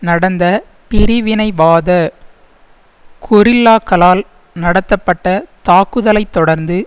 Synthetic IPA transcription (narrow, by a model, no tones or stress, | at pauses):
nɐɽɐnd̪ɐ | pɪɾɪʋɪnɐɪʋaːðɐ | kʰʊɾɪlːaːkːɐlaːl | nɐɽɐt̪ːɐpːɐʈːɐt̪aːkːɯðɐlɐɪt̪ːɔɽɐɾnd̪ɯ